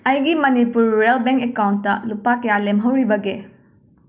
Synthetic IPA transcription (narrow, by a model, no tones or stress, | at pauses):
ɐjɡimɐnipuɾːelbeŋkekawntːɐlupakɐjalemɦɐwɾibɐɡe